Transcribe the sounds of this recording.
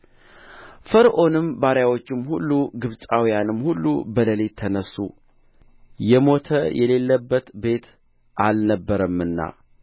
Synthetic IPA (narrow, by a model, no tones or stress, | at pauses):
fəɾʔo̞nɨmbaɾjawo̞t͡ʃːɪmhulːuɡɨβsʼawijanɨmːhulːṵbələlet̪ʰːənəsːṵ | jɛmo̞t̪ʰəjʔɛle̞lːəbːət̪be̞t̪ | ʔalnəbːəɾəmɨnːa̰